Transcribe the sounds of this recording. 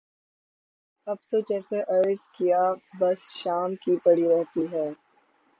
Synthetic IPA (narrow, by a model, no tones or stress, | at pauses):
ɐb̚t̪od͡ʒɛːseʔɐɾzkijabɐsʃaːmkipɐɽiɾɛɦt̪iɦɛː